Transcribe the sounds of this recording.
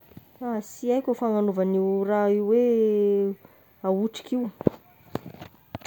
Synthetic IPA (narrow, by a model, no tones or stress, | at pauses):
asiajkʲofaŋanovəniwraiwwe | auʈ͡ʂi̥kiw